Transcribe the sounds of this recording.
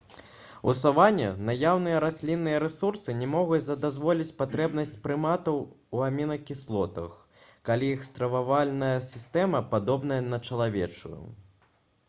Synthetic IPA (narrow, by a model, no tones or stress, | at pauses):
ṵsavanʲːɐ̰najawnɨjɐɾasʲlʲinːɨjɐɾɛsursɨnʲɛmɔɣut͡sʲzɐd̪azvɔlʲit͡sʲpat̪ɾɛbnɐsʲt͡sʲpɾɨmat̪ɐw | uamʲinɐkʲislˠɔt̪ɐ̰x | kalʲiiɛxst̪ɾɐvavalʲnɐjɐsʲist̪ɛmɐpad̪ɔbnɐjɐnɐt͡ʂɐlˠavʲɛ̰t͡ʂṵjṵ